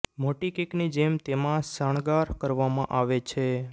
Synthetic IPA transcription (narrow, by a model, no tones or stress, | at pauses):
moʈikiknid͡ʒemt̪emãsəɳ̃ɡaɾkəɾʋamãʔaʋet͡ʃʰe